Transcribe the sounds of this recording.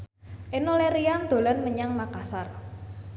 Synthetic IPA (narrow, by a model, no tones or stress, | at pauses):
ʔenoleɾiand̪̥o̤lanməɲaŋmakasar